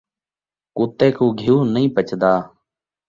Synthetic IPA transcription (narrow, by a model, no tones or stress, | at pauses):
kuːt̪eːkũːɡʱijuːnəĩːpət͡ʃd̪aː